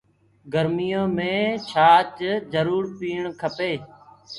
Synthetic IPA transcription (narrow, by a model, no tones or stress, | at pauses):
ɡəɾmɪjõːmẽːt͡ʃʰaːt͡ʃd͡ʒəɾuːɾpiːɳkʰəpeː